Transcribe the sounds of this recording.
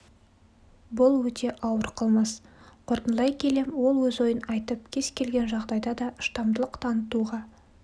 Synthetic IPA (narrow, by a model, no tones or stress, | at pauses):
bʊlˠwɵt̪e̞ʔɑwəɾqʰəlˠmɑsqʰo̞ɾt̪ənlˠɑjkʲʰe̞le̞mwo̞lˠwɵzo̞jənɑjt̪əp̚kʲʰe̞zkʲʰe̞lɡʲe̞nʒɑʁd̪ɑjd̪ɑd̪ɑʔəʃt̪ɑmd̪əlˠəqt̪ʰɑnət̪uʁɑ